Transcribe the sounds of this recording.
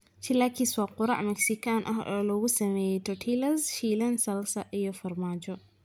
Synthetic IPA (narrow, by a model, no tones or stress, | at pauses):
t͡ʃilaːkʰiswɑːqʊɾɑ̰ʕmɛksɪkʰaːnʔɐ̰ɦɔ̰ːlɔɣʊsɐmɛːjɛjt̪ʰɔʈʰiːlɐsʃiːlɐnsɐlsɐʔijɔfɐrmaːd͡ʒɔ